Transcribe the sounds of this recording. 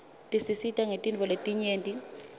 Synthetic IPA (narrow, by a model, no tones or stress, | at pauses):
tʼisisitʼaŋetʼint͡fɔletʼiɲeːntʼi